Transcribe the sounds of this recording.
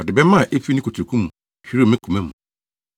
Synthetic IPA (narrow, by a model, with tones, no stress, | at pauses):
ɔ˨dɪ˨bɛ˦mã˦˨ʔe˦fi˦nĩ˦ko˨tʰɾo˨kʰũ˦mũ˨ | hi˦ɾo˦˨mɪ̃˦kʰu˨mɛ̃˦mũ˨